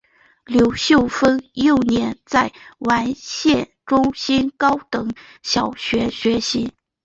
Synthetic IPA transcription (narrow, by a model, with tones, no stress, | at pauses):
ljo˧˥ʊɕjo˥˩ʊfə˥njo˥˩ʊnjɛ˧˥nt͡sa˥˩ɪwa˧˥nɕjɛ˥˩nʈ͡ʂʊ˥ŋɕi˥nkɑ˥ʊt̪ɤ˨˩˦ŋ | ɕjɑ˨˩ʊɕɥɛ˧˥ɕɥɛ˧˥ɕi˧˥